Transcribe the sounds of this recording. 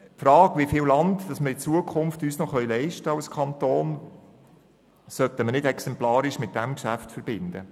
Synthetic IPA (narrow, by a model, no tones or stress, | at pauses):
fɾɑːɡʋifɪːwlɑntd̥ɑsməɾɪt͡suəkʰχʊmftyːsnoχœʏlɛɪʃtəɑʊskʰχɑnt̪oːn | sœtəmənɪdɛksɛmplɑːɾɪʃmɪt̚d̥æmkʃæftfəɾbɪndə